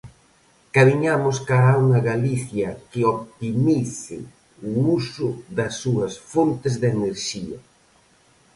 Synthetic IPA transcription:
kamiɲamoskaɾauŋɐɣaliθjɐkɪopt̪imiθɪ̰ | uusʊðɐsːuɐsfont̪ɪzðeneɾʃiɐ

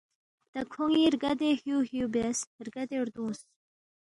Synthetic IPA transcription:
d̪̥akʰoŋiɾɡad̪ehjuhjubesɾɡad̪eɾd̪ũːs

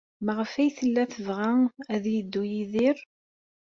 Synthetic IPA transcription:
məʁəfæjθəlːæθəvʁææðjid̪ːujiðɪɾ

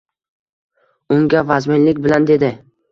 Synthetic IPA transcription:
ʊŋɡʲavazmɪnlɪkʲbɪland̪e̞d̪ɪ

